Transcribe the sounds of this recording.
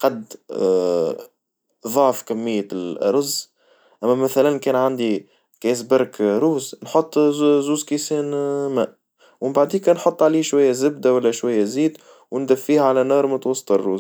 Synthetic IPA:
qɑd̪ | ðˤɑʕfkæmːɪjːalʔɑ̰ɾˤɑz | ʔæmːæmæθælænkɛːnʕand̪i | kɛs̬bɑɾkɾuːznħot̪ˤːzuːzkisɛːnmæːʔ | wɪmbaʕd̪iːkɛnħot̪ˤːʕaliːʃwæjːæzɪb̚d̪æwælːæʃwæjːæziːd̪ | wnd̪æfːiːhʕalænɑːɾˤmʊt̪wɑsˤːt̪ˤɑrːṵːz

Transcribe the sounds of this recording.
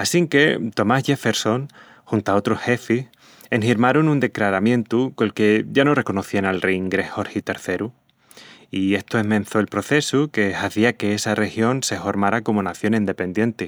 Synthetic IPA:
asiŋke̞t̪o̞masʝefe̞ɾso̞ŋ | xunt̪ao̞t̪ɾoshe̞fih | eŋhiɾmaɾonund̪e̞klaɾamjẽ̞nt̪ukolke̞ʝano̞re̞ko̞no̞θianalrejiŋɡɾe̞hho̞ɾhit̪e̞ɾθe̞ɾu | ie̞st̪oemẽ̞nθo̞elpɾo̞θe̞suke̞haθiake̞esare̞xjo̞nse̞fo̞ɾmaɾako̞monaθjo̞nĩnd̪e̞pe̞nd̪je̞nt̪e

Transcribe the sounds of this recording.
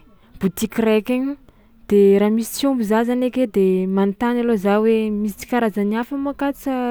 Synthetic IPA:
b̥ut̪ikrekʲeɲi | d̪̥eɾaːmisi̥t͡siumbuzazaneked̪emant̪analozawemisi̥t͡si̥kaɾazaniafamakat͡sə

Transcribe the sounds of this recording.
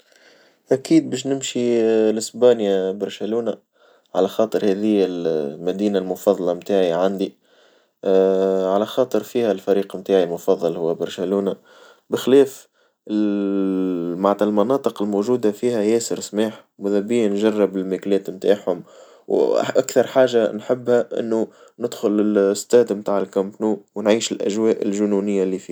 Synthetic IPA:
ʔækiːd̪̚bɛːʃ̬nɪmʃilɪsbɑːnjabɑɾˤʃæluːna | ʕa̰læxɑːt̪ˤəɾhɛðɪjːɪlmæd̪iːnalmʊfɑðˤlɑmt̪aːʕiʕand̪i | ʕalæxɑːt̪ˤəɾfiːhælfæɾiːqmt̪aːʕilmʊfɑðˤːɑlhʊwːæbɑɾˤʃæluːna | bɪxlɛːf | ɪ | maʕt̪ɑlmɑnɑːt̪ˤɨqɪlmoːʒuːd̪afiːhæjɛːsəɾsmaːħmʊðæbijːanʒɑrˤːɪbɪlmæklɛːt̪mt̪aːħhʊm | wʔakθɑɾˤħaːʒanħɪbːhæʔɪ̰nːu | nɪd̪xʊlɪst̪ɛːd̪mt̪aːʕɪlkæmpnuːwnʕiːʃɪlʔæ̰ʒwɛːʔɪlʒʊnuːnɪjːalifiː

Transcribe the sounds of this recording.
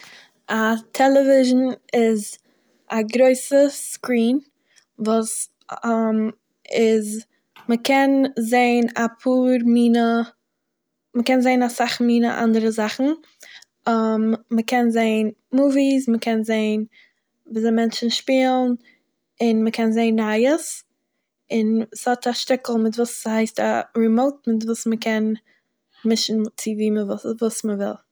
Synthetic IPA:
atʰɛlˠəvɪʒn̩ɪz | aɡɾoɪsəskɾiːn | vuːs | m | ɪz | məkʰɛnzeɪnapʰuːɾmiːnə | məkɛnzeɪnasaχmiːnə̰ʔa̰ndəɾəzaχn̩ | mməkɛnzeɪən | muːvisməkʰɛnzeɪn | viːzamɛnt͡ʃn̩ʃpiːlˠn̩ | ɪnməkʰɛnzeɪnɾaɪəs | ɪnshɔtaʃtɪkl̩ˠmɪtvuːshaɪstaɹimoʊtmɪtvuːsməkʰɛn | mɪʃn̩t͡sɪviːməvvuːsməvɪ̰lˠ

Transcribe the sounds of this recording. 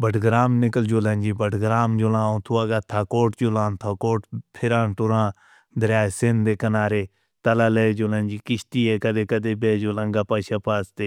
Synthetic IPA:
bəʈɡɾaːmnɪkəld͡ʒoːlə̃nʲd͡ʒiːbəʈɡɾaːmd͡ʒolãːõːt̪ʰuaːɡaːt̪ʰːaːkoːʈd͡ʒolãːnt̪ʰaːkoːʈpʰɪɾãːʈʊɾãː | d̪əɾjaːesɪnd̪eːkənaːɾeː | t̪əlaːleːd͡ʒoːlə̃nʲd͡ʒiːkɪʃt̪iːeːkəd̪eːkəd̪eːbeːd͡ʒoːlãŋɡaːpəːʃaːpaːst̪eː

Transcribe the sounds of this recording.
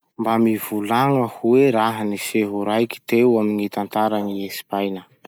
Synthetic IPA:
mbamivulaŋəhuweɾaɦaniseɦuɾajki̥t̪ewaminit̪ant̪aɾaŋiesi̥pajnə

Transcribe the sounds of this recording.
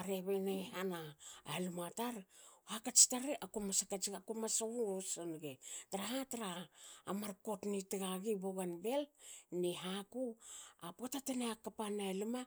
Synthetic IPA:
aɾeβenehana̰ːelumataɾhakat͡ʃi̥taɾeʔakomasakat͡ʃiakomasouosonɡetaɾaɦataɾaːmaɾko̞tnitiɡaɡiboɡanbe̞lniɦakuapotateneakapanaeluma

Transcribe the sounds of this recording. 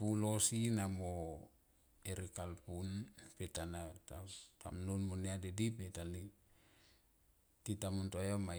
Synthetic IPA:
pulosinamo | eɾikalpunpetanatata̰mnunmoneadedipetali | titamuntojama

